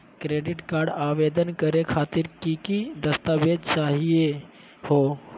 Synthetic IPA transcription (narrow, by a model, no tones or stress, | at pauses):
kɾeːɖɪʈkaːɾɖaːʋeːd̪ənkəɾekʰaːt̪ɪɾkikid̪ɐst̪aʋeːd̪t͡ʃaːɦie | ho